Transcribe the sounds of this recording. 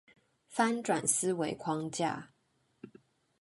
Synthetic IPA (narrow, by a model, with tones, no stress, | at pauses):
fa˥nʈ͡ʂwa˨˩ns̩˦we˧˥ɪkʰwɑ˥ŋt͡ɕja̰˥˩